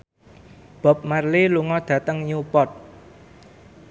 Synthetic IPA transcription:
b̥ɔ̤p̚marliluŋɔd̪̥ä̤t̪əŋɲupɔt̪̚

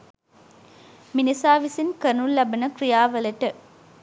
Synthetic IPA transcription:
minisaːʋisinkənullːɐbɐnəkrijaːʋəlɐʈə

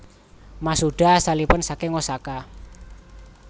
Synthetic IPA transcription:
masuɖ̥a̤salipʊnsakeŋɔsaka

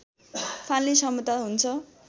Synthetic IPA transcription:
pʰanlisʌmut̪aɦunt͡sʰʌ

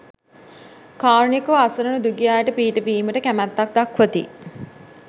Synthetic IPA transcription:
kaːɾunikəʋasɐɾənud̪uɡijaːjəʈəpiːʈəpiːməʈəkæmæt̪ːak̚d̪akʋət̪ḭ

